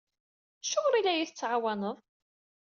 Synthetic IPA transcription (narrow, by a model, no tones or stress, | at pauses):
ʃʊɾˤilæjiθət͡sːʕawɑnəðˤ